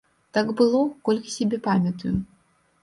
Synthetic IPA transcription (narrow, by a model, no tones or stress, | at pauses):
t̪aɡbɨlˠɔkɔlʲkɐ̥sʲabʲɛpamʲɐt̪uju